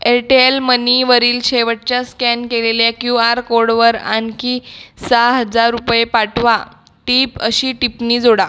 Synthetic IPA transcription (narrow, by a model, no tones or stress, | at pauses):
eʈielməniʋəɾiːlɕeʋəʈ̚t͡ɕjaskɛnkeleljakjuaɾkoɾɽʋəɾa̰nkisaɦəd͡zaɾːupjepaʈʰʋa | ʈiːpəɕiːʈipniːd͡zoɽa